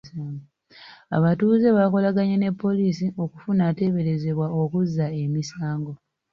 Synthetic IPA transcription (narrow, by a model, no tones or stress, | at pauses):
ŋɡo | a̰βatuːze̞βako̞laɡaɲene̞pːo̞liːsio̞ku̥funate̞βe̞ɾe̞ze̞βwao̞kuzːae̞misaːŋɡo̞